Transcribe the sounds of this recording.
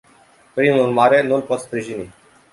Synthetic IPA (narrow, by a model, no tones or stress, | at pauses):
pɾinunmaɾenunpɔt̪spɾiɕini